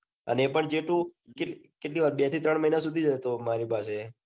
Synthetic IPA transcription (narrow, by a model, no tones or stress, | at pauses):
ə̰neepəɳd͡ʒeʈũkekeʈliʋaɾbet̪ʰit̪ɾəɳ̃məinas̬ud̪ʱid͡ʒət̪omaɾipase